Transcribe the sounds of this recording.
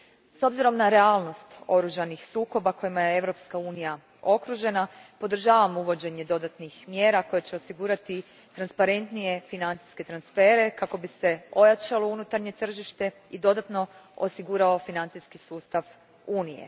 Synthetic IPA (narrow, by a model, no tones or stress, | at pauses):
so̞bziɾo̞mnaɾe̞aːlˠno̞st̪o̞ɾuʒanixsuːko̞bako̞jimajee̞ʋɾo̞pskauːnija | o̞kɾuʒe̞napo̞d̪ɾ̩ʒaːʋamouʋo̞d͡ʑe̞ɲe̞d̪o̞d̪at̪nixmje̞ːɾako̞jet͡ɕe̞o̞siɡuːɾat̪i | t̪ɾanspaɾe̞nt̪nije̞finant̪si̥ske̞t̪ɾansfe̞ːɾe̞kako̞bise̞o̞jat͡ʃalo̞unut̪aɾɲe̞t̪r̩ʒiʃt̪e̞ | id̪o̞d̪at̪no̞o̰siɡuːɾaofinant̪iskisuːst̪aʋ | uːnije̞̰